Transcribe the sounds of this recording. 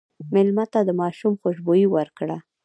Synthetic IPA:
mɪlmat̪ad̪əmɑʃumxoʃbojiwəɾkɽa

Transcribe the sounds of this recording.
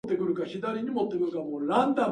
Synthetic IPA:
t̪ːe̞kɯ̟ɾɯ̟kaçid̪aɾʲiɲ̟imo̞t̪ːe̞kɯ̟ɾɯ̟kamoːɾãnd̪ã

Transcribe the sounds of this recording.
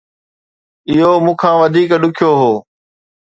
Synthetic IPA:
ɪɦomũːkʰãːʋɐd̪ʱiːkɗʊkʰijoɦoː

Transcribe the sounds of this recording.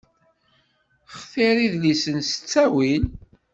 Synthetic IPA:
χθiɾiðlisənsə̥t͡sːæwin

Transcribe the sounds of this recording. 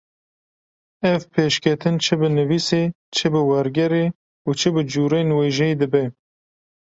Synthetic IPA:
ɛvpʰeːʃkʲʰɛt̪ʰɨnt͡ʃʰɨbɨnɨviːseː | t͡ʃʰɨbɨwɛɾɡɛɾeː | ut͡ʃʰɨbɨd͡ʒuːɾeːnweːʒɛjd̪ɨbɛ

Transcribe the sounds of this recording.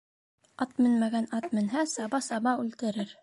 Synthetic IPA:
ɑt̪mɘnmæɡænɑt̪mɘ̆nɦæsɑbɑsɑβɑʉlt̪ɘ̆ɾɘɾ

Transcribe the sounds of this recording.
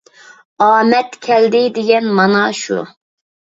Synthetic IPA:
ɑːmɛt̪kʲʰɛld̪ɪd̪ɪɡʲɛnmɑnɑʃṵ

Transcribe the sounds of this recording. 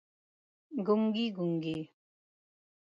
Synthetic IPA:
ɡuŋɡiɡuŋɡi

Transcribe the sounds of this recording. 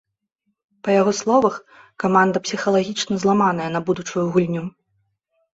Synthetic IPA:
pɐjaɣɔslˠɔvɐx | kamand̪ɐpsʲixɐlˠaɣʲit͡ʂnɐzlˠamanɐjɐnɐbud̪ut͡ʂujuɣulʲnʲu

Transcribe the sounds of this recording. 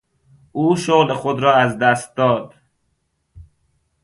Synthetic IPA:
ʔuːʃoɣlexod̪ɾɒːæzd̪æst̪̚d̪ɒːd̪

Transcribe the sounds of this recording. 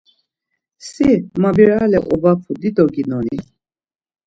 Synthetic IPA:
simabiɾalɛʔɔvapʰud̪id̪ɔɡinɔni

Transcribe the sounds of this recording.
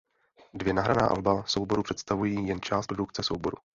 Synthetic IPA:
dvjɛnaɦɾana̰ːʔa̰lbaso̞wbo̞ɾupr̥ɛt̪st̪avujiːjɛnt͡ʃaːst̪̚pɾoduk̚t͡sɛsowbo̞ɾṵ

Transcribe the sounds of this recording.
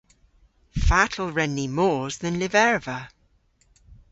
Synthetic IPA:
fatʰəl̩ˠɹɛnːimɔːzðə̃nlɪvɛɹvə

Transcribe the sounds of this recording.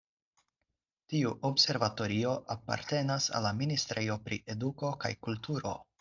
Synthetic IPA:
tiuʔobse̞ɾvato̞ɾio̞ʔapa̰ɾte̞nasa̰lːaministɾejo̞pɾḭʔe̞duko̞ka̰jkultuɾo̞̰

